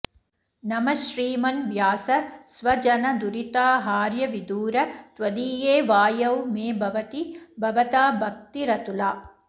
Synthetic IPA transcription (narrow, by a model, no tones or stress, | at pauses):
nɐmɐʃɾiːmɐnʋjaːsɐsʋɐd͡ʒɐnɐd̪uɾit̪aːɦaːɾjɐʋid̪uːɾɐt̪ʋɐd̪iːjeːʋaːjɐwmeːbʱɐʋɐt̪ibʱɐʋɐt̪aːbʱɐk̚t̪iɾɐt̪ulaː